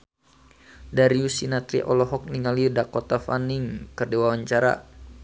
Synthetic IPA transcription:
daɾiusinat̪ɾḭʔɔlɔɦɔk̚niŋaliudakɔt̪afaniŋkərdiwawaɲt͡ʃaɾa̰

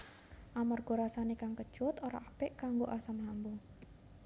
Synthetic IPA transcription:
ʔamarɡ̥o̤ɾasanekaŋkəd̥ʒ̥ʊt̪oɾaapɪʔkaŋɡoʔasamlambo

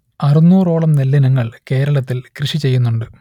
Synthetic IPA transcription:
ɐrunːuːro̞ːɭɐmnelːinɐŋːɐɭke̞ːɾɐɭɐt̪ːilkrɨʂit͡ɕe̞jːunːuɳɖɨ

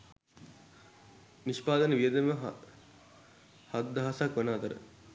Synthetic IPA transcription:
niʃpaːd̪ɐnəʋijəd̪emʋə | hɐt̪d̪ɐɦɐsakʋɐnaːt̪ɐɾə̰

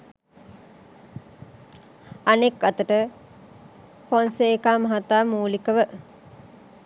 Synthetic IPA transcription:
anekːat̪əʈə | ponsekaːmɐɦat̪aːmuːlikəʋə

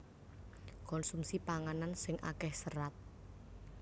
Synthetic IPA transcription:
kɔnsumsipaŋanansɪŋʔa̰kɛhsəɾat̪̚

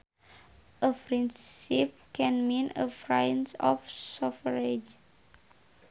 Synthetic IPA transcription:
ʔəfɹĩnsip̚kɛ̃nmĩnəfɹãjə̃nsɔ̰fsɔfɹed͡ʒ

